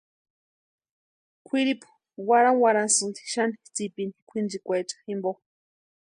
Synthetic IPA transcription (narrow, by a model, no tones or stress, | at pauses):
kʷʰiɾipu̥ | waɾawaɾasɨnt̪i̥ʃanit͡sipini̥kʷʰind͡ʒikʷat͡ʃḁximbo